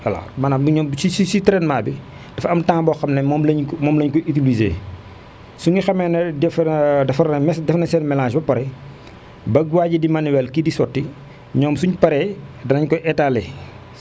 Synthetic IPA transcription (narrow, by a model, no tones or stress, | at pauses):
wɐla̰mɐnɐbɲɔːmsisisitɛɾɛnmaːbi | d̥ɐfɐmtaːŋbɔːxɐmnɛmɔːmlɐɲkmɔːmlɐɲkɔʔitulizḛː | suŋɡixɐmɛnɛdɛfdɐfɐɾɐmɛsdɛfnɐsɛnmɛlaːʃbɐpɐɾɛ | bɐɡwaːɟidimɐniwɛlkidisɔtːi | ɲɔːmsuɲpɐɾɛdɐnɐɲkɔʔɛtalɛ